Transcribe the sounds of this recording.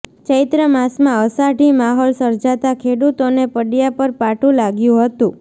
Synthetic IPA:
t͡ʃəjt̪ɾəmasmãəsaʈimaɦɔlsəɾd͡ʒat̪akʰeɽut̪onepəɖjapəɾpaʈũlaɡjũɦət̪ũ

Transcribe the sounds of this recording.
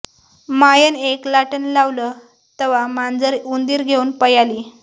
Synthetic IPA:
majəneklaʈənlaʋləː | t̪əʋamand͡zəɾund̪iːɾɡʱeunpəjaliː

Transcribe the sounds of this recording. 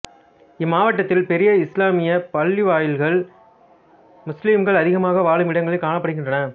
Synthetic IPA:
ɪmaːʋɐʈːɐt̪ːɪlpɛɾɪjɐɪslaːmɪjɐpɐɭːiʋaːjɪlɣɐɭ | mʊslɪmɡɐɭɐðɪɣɐmaːɣɐʋaːɭɯmɪɽɐŋɡɐɭɐɪkaːɳɐpːɐɽɯɣɪndrɐnɐ

